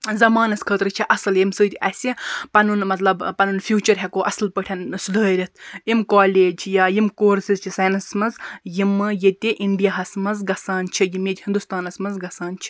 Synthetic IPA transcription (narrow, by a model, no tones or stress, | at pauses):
zɐmaːnɐskʰəːt̪ɾɨt͡ʃʰiʔɐsɨljimsɨːt̪ʲɐsʲipɐnunmɐt̪lɐbpɐnunfʰjuːt͡ʃɐɾɦɛkoːʔɐsɨlpəʈʰɐnsd̪əːɾʲɐt̪̚ʰimkaːleːd͡ʒʰjajimkoːɾsizt͡ʃʰisɐjnɐsmɐnzjimɨjet̪ʲiʔiɳɖijaɦɐsmɐzɡɐsaːnt͡ʃʰijimed͡ʒʲhind̪ust̪aːnɐsmɐnzɡɐsaːnt͡ʃʰi